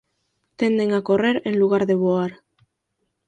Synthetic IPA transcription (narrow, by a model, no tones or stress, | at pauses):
t̪e̞nd̪e̞ŋako̞re̞ɾenluɣ̞aɾðe̞βoaɾ